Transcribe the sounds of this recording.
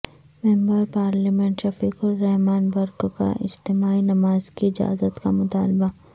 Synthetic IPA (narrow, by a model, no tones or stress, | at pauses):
mɛ̃ːmbəɾpaːɾlimɛ̃ɳʈʃɐfiːkʊɾːɛɦmaːnbɐɾkka̰ɪ̰d͡ʒt̪ɪmaːinɐmaːzkiɪd͡ʒa̰ːzət̪kamʊt̪aːlba